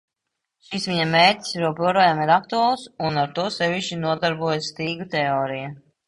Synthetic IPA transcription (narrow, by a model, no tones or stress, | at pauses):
ʃisʋʲiɲameːɾt̪ʲi̥sɾuɔpuɔɾɔːjamiɾak̚t̪ualˠsunaɾt̪uɔsɛʋʲiʃt͡ʃinuɔd̪aɾbuɔjsːt̪iːɡut̪ɛɔːɾija